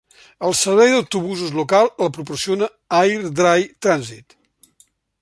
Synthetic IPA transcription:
əlˠsəɾβɛjðəwt̪uβuzuzlukalˠləpɾupursionə | ajɾd̪ɾajt̪ɾanzit̪

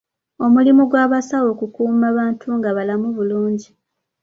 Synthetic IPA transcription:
o̞mulimuɡwaːβasawo̞kukuːmaβaːntʰuŋɡaβalamuβuluːɲɟi

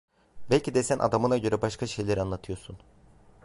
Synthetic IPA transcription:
bælʲcid̪ɛsænʔa̰d̪amɯnaɟø̞ɾɛbaʃkʰaʃe̞jlʲæɾanlˠat̪ʰɯjosun

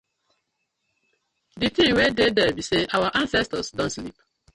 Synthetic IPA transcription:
ditĩŋwededɛbiseʔawaʔãnsɛstɔsdõntslip

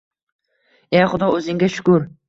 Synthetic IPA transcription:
eχʊd̪ɒɵzɪŋɡʲaʃʊ̥kʊɾ

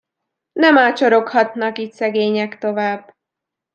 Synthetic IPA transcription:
nɛmaːt͡ʃo̞ɾo̞khɒt̪nɒkiːt̪sɛɡeːɲɛkt̪o̞vaːb

